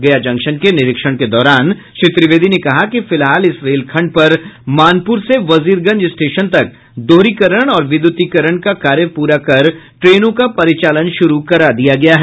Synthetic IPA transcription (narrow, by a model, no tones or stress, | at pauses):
ɡɐjad͡ʒɐ̃ŋkʃənkenɪɾɪkʃəɽ̃ked̪ɔːɾaːn | ʃɪt̪ɾɪʋeːd̪ʱinekɐɦakifɪlɦaːlɪsɾeːlkʰɐ̃ɳɖ̚pɐɾmaːnpuːɾseʋɐziːɾɡɐ̃ɲd͡ʒɪsʈeːʃənt̪ɐk̚ | d̪oːɾikəɾəɽ̃ɔːɾʋɪd̪jʊt̪ikɐɾəɽ̃kakaːɾjəpuːɾakɐɾʈɾeːnõkapɐɾɪt͡ʃaːlənʃʊɾukɐɾad̪ijaɡɐjaɦɛː